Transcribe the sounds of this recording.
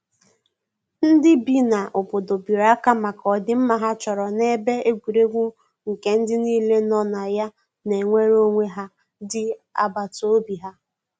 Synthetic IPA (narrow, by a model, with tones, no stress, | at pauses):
n̩˦dɪ˦bi˦na˨ʔo˨po˨do˨bi˨ɾa˦ka˦ma˨kɔ˨dɪ˦m̩˦ma˨ɦa˦t͡ʃɔ˨ɾɔ˨ne˦be˦e˦ɡʷi˨ɾe˦ŋʷu˦ | ŋ̩˨ke˦n̩˦dɪ˦niː˦le˦nɔ˦na˨ja˦ | ne˨ŋʷe˦ɾo˦ŋʷe˦ɦa˦ | dɪ˦a̰˦ba˨to˦bi˨ɦa˦